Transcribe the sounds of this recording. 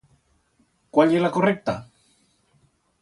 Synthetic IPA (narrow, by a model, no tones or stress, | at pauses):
kwaleɾlakorek̚t̪a̰